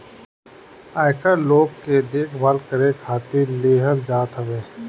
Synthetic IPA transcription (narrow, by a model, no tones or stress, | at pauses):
aːɪkəloːɡked̪eːkʰbaːlkəɾekʰaːt̪iɾleːɦəld͡ʒaːt̪ɦəʋeː